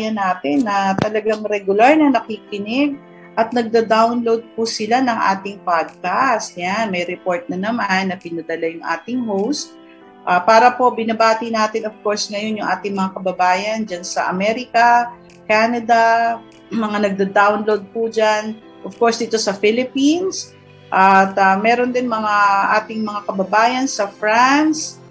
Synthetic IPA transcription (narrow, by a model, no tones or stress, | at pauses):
jɐnaːt̪ɪnːɐt̪ɐlɐɡaŋɾɛɡʊlaɹnɐnɐkiːkɪnɪɡ̚ | ʔɐt̪̚nɐɡ̚d̪ɐd̪awnlowd̪̚pʊsɪlanɐŋʔa̰ːt̪ɪŋpad̪̚kast̪janmɐjɾɛpo̞ɹt̪̚nɐnɐmanːɐpɪnɐd̪ɐlajʊŋʔa̰ːt̪ɪŋhowst̪̚ | ʔaːpaːɾɐpo̞bɪnɐbaːt̪ɪnaːt̪ɪnov̥ko̞ɹsŋɐjo̞njʊŋʔaːt̪ɪŋmɐŋakɐbɐbaːjɐnd͡ʒansɐ̰ʔɐ̰mɛɾɪkɐ | kaːnɐd̪ɐ | mɐŋanɐɡ̚d̪ad̪awnlowd̪̚pud͡ʒan | ʔov̥koɹsd̪iːt̪o̞sɐfɪlɪpins | ʔɐt̪ɐmɛːɾond̪ɪnmɐŋaʔaːt̪ɪŋmɐŋakɐbɐbaːjɐnsɐfɾans